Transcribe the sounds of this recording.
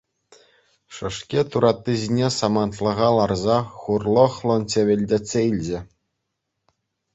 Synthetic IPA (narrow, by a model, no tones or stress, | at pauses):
ʂɤ̆ʂkʲet̪uɾɑt̪ːɯʑʲinʲesɑmɑnt̪lˠɤ̆ʁɑlˠɑrzɑχurlˠɤ̆χlˠɤ̆nt͡ɕʲeʋʲɘ̆lʲdʲetʲsʲeilʲd͡ʑɘ̆